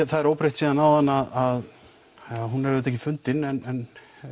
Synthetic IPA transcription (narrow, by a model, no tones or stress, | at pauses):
θaðɛɾoːwpɾejht̪siːðanawðanːaðað | ɦunɛɾɛt̪ɛhcːɪfʏnt̪ɪnɛnɛn